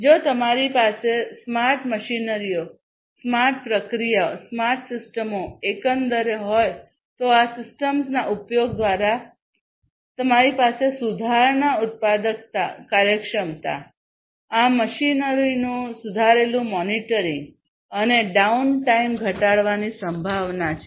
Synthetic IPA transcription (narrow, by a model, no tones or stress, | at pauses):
d͡ʒot̪əmaɾipasesmaɾʈməʃinəɾijo | smaɾʈ̚pɾəkɾijasmaɾʈsɪsʈəmoekənd̪əɾɦɔj | t̪oasɪsʈəmsnaʔupjoɡ̚d̪ʋaɾa | t̪əmaɾipasesud̪ʱaɾnaʊt̪̚pad̪ək̚t̪a̰kaɾjəkʃəmt̪a̰ | aməʃinəɾinũsud̪ʱaɾelũmɔniʈəɾɪ̃ŋɡ | əneɖaunʈaimɡʱəʈaɭʋanisəmbʱaʋnat͡ʃʰe